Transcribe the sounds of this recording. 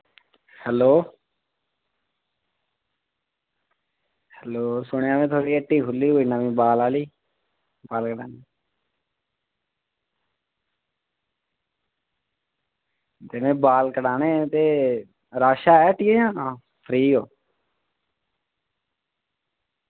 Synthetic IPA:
hɛloː | hɛloːsʊɽ̃ãːmẽːt̪ʰoːɽiːəʈːiːkʰʊlːiːoːiːnamĩːbaːlaːliː | baːlkəɽaːneː | t̪eːmɛ̃ːbaːlkəɖaːnẽːt̪eː | ɾaːʃaːɛːʈiːeãː | pʰɾiːoː

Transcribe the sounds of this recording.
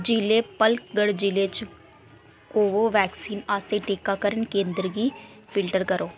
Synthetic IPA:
d͡ʒileːpəlkɡəɽd͡ʒileːt͡ʃ | oːʋoːʋɛːksiːnaːst̪eːʈeːkaːkəɾənkẽːnd̪əɾɡiː | pʰɪlʈəɾkəɾoː

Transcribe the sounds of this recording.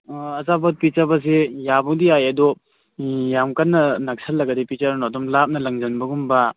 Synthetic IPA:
ɐzabɐt̚pit͡ʃabɐs̬ejabɔŋdiajɐdɔ | jamkanːɐnak̚sʰɐlːɐɡɐdipit͡ʃaɾnodɔmlap̚nɐlɐŋzɐnbɐɡumba

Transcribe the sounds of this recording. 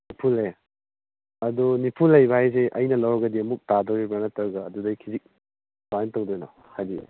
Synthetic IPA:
nipʰule | ɐdunipʰulːɐjbahajs̬eʔɐjnɐlɐwɾɐɡɐdiɐmuk̚tadɔwɾibɐnɐtɐɾɡɐːdudɐjkʰizik̚ | sajntɐwdɔjnɔ | hajdi

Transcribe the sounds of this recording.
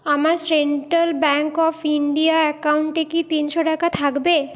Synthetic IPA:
amaɾseɳʈɾalbɛŋkɔfiɳɖiaɛkawɳʈekit̪inʃoʈakat̪ʰakbe

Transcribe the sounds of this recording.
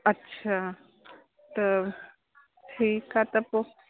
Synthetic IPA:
ɐtːɕʰa | t̪ə | ikat̪ɐpo

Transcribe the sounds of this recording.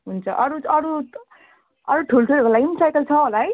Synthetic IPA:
ɦunt͡sʰʌʔʌɾuʌɾu | ʌɾuʈʰulʈʰulekolajmsajkʌlt͡sʰʌolaj

